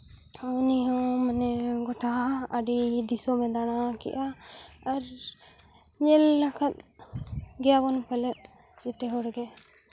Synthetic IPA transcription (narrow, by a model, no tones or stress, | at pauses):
ɔniɦɔ̃manɛɡɔʈʰaaɖid̪isɔmɛ̃d̪anakɛ̰ʔa | aɾ | ɲɛlːakʰat̪̚ | ɡɛjabɔnpalɛt̪̚ | d͡ʒɛt̪ɛɦɔɾɡɛ